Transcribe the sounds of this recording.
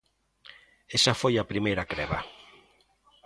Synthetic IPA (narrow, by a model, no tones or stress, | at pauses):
esafojapɾimejɾakɾɛβa